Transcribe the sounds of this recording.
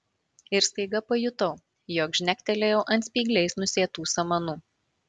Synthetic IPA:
ɪɾst̪ɐɪɡɐpɐjʊt̪ɐʊ | joːkʒʲnʲæk̚ʲt̪ʲɛlʲejɛʊʔɐnt̪sʲpʲiːɡlʲɛɪsnʊsʲeːt̪uːsɐmɐnuː

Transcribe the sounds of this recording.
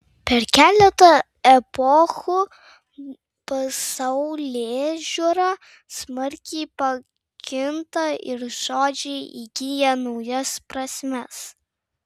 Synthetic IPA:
pʲɛɾkʲæːlʲɛt̪ɐ | ɛpɔxu | pɐsɐʊlʲeːʒʲuɾɑ | smɐɾʲkʲɛɪpɐ | kʲɪnt̪ɐɪɾʒ̥oːd͡ʒʲɛɪʔiɡʲɪjɛnɒʊjɛspɾɐsʲmʲɛs

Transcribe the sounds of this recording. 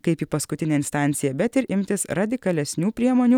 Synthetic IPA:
kɐɪpiːpɐskʊt̪ʲɪnʲeːɪnst̪ɑˑnʲt̪sʲɪjɛbʲɛt̪ɪɾʔɪmʲt̪ʲɪsɾɐd̪ʲɪkɐlʲɛsʲnʲuːpʲɾʲiɛmoːnʲuː

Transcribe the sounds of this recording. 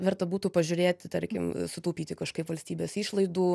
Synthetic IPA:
ʋʲɛrt̪ɐbuːt̪uːpɐʒʲʊɾʲeːtt̪ʲt̪ɐɾʲkʲɪmsʊt̪ɐʊpʲiːt̪ʲɪkɐʃkɐɪpʋɐlʲsʲt̪ʲiːbʲeːsiːʃlˠɐɪd̪uː

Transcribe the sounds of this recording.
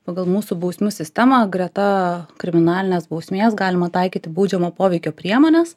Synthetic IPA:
pɑɡɐlˠmuːsʊbɐʊsʲmʲusʲɪsʲt̪ʲɛmɑɡɾʲɛt̪ɐkɾʲɪmʲɪnɑːlʲɪnʲeːsbɐʊsʲmʲeːsɡɑːlʲɪmɐt̪ɐɪkʲiːt̪ʲɪbuʊd͡ʒʲɛmoːpoːʋʲɛɪkʲoːpʲɾʲiɛmoːnʲɛs

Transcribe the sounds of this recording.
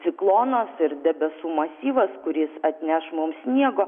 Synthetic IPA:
tsʲɪklˠoːnoːsɪɾd̪ʲɛbʲɛsuːmɐsʲiːʋɐskʊɾʲɪsɐt̪ʲnʲæʃmʊmsʲnʲiɛɡoː

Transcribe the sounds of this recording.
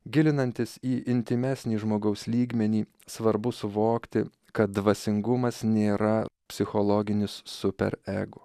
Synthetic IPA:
ɡʲɪlʲɪnɐnʲt̪ʲɪsiːʔɪnʲt̪ʲɪmʲæːsʲnʲiːʒmoːɡɐʊsʲlʲiːɡʲmʲɛnʲiː | sʋɐɾbʊsʊʋoːkt̪ʲɪ | kɐt̪̚d̪ʋɐsʲɪŋɡʊmɐsnʲeːɾɐpʲsʲɪxolˠɔɡʲɪnʲɪsːʊpʲɛ̰ɾɛːɡʊ

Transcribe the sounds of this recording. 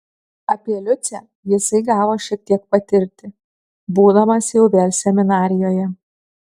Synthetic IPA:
ɐpʲiɛlʲʊt̪sʲɛ | jɪsɐɪɡɑːʋoːʃʲiɛk̚t̪ʲiɛk̚pɐt̪ʲɪɾʲt̪ʲɪ | buːd̪ɐmɐsʲjɛʊʋʲeːlʲsʲɛmʲɪnɑːɾʲɪjoːjɛ

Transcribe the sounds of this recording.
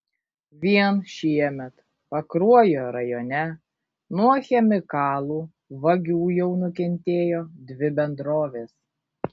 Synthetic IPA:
ʋʲiɛnʃʲiɛmʲɛt̪ | pɐkɾuɔjoːɾɐjoːnʲɛ | nuɔxʲɛmʲɪkɑːlˠuː | ʋɐɡʲuːjɛʊnʊkʲɛnʲt̪ʲeːjoːd̪ʲʋʲɪbʲɛnd̪ɾoːʋʲeːs

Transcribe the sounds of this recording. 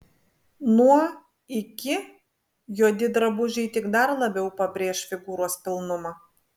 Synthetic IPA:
nuɔ | ɪkʲɪ | juɔd̪ʲɪd̪ɾɐbʊʒʲɛɪt̪ʲɪɡd̪ɐɾlˠɐbʲɛʊpɐbʲɾʲeːʃfʲɪɡuːɾoɔspʲɪlˠnʊmɑ

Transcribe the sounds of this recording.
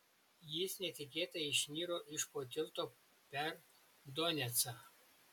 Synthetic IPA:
jɪsnʲɛt̪ʲɪkʲeːt̪ɐɪʃʲnʲiːɾoːʔɪʃpoːt̪ʲɪlˠt̪oː | pʲɛɾ | d̪ɔnʲɛt̪sɑ

